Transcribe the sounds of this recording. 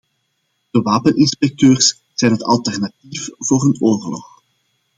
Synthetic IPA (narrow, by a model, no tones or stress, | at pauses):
d̥əʋaːpənʔɪnspɛk̚tøːrs | z̥ɛjnɦətɑ̰lˠtɛrnatifv̥oːrənoːrlɔ̰x